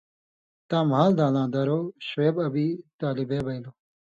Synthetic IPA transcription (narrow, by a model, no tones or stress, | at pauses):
t̪ãːmɦaːld̪aːlãːd̪ɐɾoːɕeːbɐbiːt̪aːlibeːbɐiloː